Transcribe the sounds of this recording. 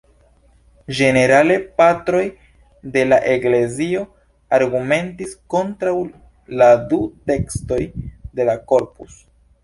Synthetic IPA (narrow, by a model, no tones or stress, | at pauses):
d͡ʒe̞ne̞ɾale̞patɾo̞j | de̞laʔe̞kle̞zio̞ | aɾɡume̞ntisko̞ntɾaw | ladute̞ksto̞jde̞lako̞ɾpus